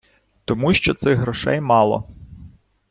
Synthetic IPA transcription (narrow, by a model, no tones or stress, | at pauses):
t̪ɔmuʃt͡ʃɔt̪sɪɣɦɾɔʃɛ̰jmɑlˠɔ̰